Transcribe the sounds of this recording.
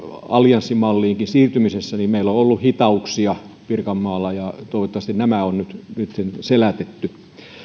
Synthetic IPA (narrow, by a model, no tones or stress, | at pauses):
ɑljɑnsːimɑlːiːŋkinsiːrt̪ymisesːænimmeilːoolːuhit̪ɑuksiɑ | pirkɑmːɑːlːɑjɑt̪oˑiʋot̪ːɑʋɑst̪innæmæonnyt̪nit̪senselæt̪et̪ːy